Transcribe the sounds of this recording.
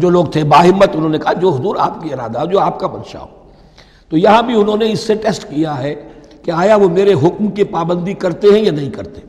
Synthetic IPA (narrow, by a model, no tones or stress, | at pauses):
d͡ʒoːloːɡt̪ʰebaːɦɪmːət̪ʊnɦõːnekɐɦad͡ʒoːɦʊzuːɾa̰ːpkiɪɾaːd̪aɦd͡ʒoːaːpkabɐnʃa̰ɦo | t̪oːjɐɦãbʱiʊnɦõneɪsːeʈɛːsʈkijaɦɛ | keaːjaʋomeːɾeɦʊkmkipaːbə̃nd̪ikɐɾt̪eɦɛ̃janɐɦĩkɐɾt̪ẽ